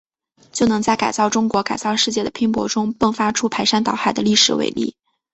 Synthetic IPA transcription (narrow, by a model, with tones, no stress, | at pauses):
t͡ɕjo˥˩ʊnɤ˧˥ŋt͡sa˥˩ɪka˨˩ɪt͡sɑ˥˩ʊʈ͡ʂʊ˥ŋkwɔ˧˥ka˨˩ɪt͡sɑ˥˧ʊʂɻ̩˥˧t͡ɕjɛ˥˩d̪ə˩pʰi˥ŋpwɔ˧˥ʈ͡ʂʊ˥ŋpə˥˩ŋfa˥ʈ͡ʂʰu˥pʰa˧˥ɪʂa˥nt̪ɑ˨˩ʊxa˥˩ɪd̪ə˦li˥˩ʂɻ̩˨˩wḛ˧˥ɪlḭ˥˩